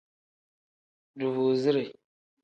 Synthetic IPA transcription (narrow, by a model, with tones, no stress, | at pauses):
du˨vu˨zi˦ɾe˨